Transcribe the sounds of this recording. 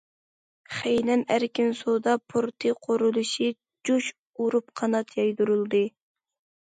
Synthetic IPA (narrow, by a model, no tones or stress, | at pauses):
χejnɛnæɾkʲinsod̪ɑpʰoɾt̪ʰɨqʰoɾulˠuʃi | d͡ʒuʃ | uɾup̚qʰɑnɑt̪ʰjɑjd̪uɾulˠd̪ɨ